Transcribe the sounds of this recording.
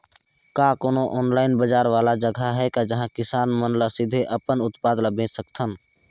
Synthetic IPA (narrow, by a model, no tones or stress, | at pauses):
kakoːnoʔɔːnlaːɪnbəd͡ʒaːɾʋaːlad͡ʒəɡʱaɦɛkad͡ʒəɦãkɪsaːnmənləsɪd̪ʱeʔəpənʊt̪paːd̪ləbẽːsəkt̪ʰən